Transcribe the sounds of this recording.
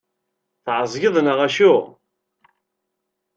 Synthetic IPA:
θʕzˤʝəðˤnəʁæʃʊ

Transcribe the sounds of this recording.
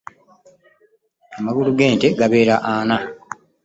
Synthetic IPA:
amaɡuluɡe̞ːnteɡaβe̞ːɾaʔaːna

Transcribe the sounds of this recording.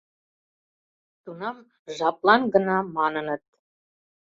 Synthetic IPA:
t̪unɑm | ʒɑplɑnɡə̆nɑmɑnənə̆t̪̚

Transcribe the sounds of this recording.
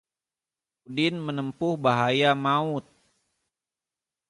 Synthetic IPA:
udɪnmənəmpʊhbaɦajamaʊt̪̚

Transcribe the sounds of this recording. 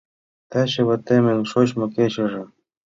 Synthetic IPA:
t̪æɕɘ̆βɘ̆t̪emɘ̆nʲʃot͡ɕmɤ̆ket͡ɕɘ̆ʐɤ̆

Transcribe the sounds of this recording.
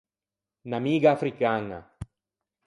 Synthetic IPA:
namiɡaːfɾikaŋa̰

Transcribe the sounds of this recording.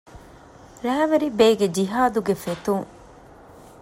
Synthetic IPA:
ɾæːʋeɾibeːɡed͡ʒiɦaːd̪uɡefet̪uŋ

